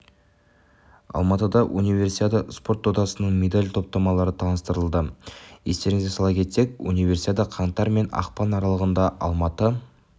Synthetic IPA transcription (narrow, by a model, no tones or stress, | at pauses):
ɑ̰lˠmɑt̪əd̪ɑʔunijvʲe̞rsijt̪at̪əspo̞ɾt̪ːod̪ɑsənəɴmʲe̞d̪alʲt̪ʰo̞p̚t̪ɑmɑlˠɑɾət̪ʰɑnəst̪əɾəlˠd̪əje̞̰st̪e̞ɾɪŋɪzesɑlˠɑkʲʰe̞t̪se̞kʲṵnijve̞rsiad̪əqʰɑɴt̪ɑɾme̞nɑ̰qpɑnɑɾɑlˠəʁənd̪ɑʔɑlˠmɑt̪ə